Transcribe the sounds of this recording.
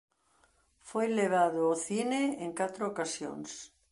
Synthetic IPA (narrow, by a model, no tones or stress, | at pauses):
fojleβaðʊːθineeŋkat̪ɾʊokasjo̰ŋs